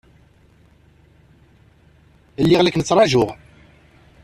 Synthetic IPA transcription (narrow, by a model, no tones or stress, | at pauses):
əlːɪʁlæknət͡sːɾˤɑʒʊʁ